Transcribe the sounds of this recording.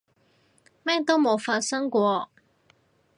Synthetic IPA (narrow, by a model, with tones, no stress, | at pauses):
mɛː˥t̪o˥wmo˨˧wfaː˧t̚sɐ˥ŋkʷɔː˧